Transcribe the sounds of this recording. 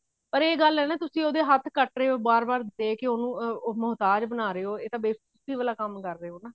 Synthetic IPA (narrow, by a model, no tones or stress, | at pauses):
pəɾeːɡəlːɛːnãːt̪ʊsĩːoːd̪eːɦət̪ʰkəʈɾeːoːbaːɾbaːɾd̪eːkeoːnũːmʊɦt̪aːd͡ʒbənaːɾeːoːeːt̪ãːbeːʊsĩːʋəlaːkəmkəɾɾeːɦoːnãː